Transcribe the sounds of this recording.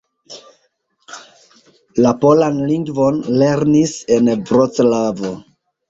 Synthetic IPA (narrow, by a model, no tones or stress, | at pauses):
lapo̞lanliŋɡvo̞nle̞ɾnise̞nvɾot͡slavo̞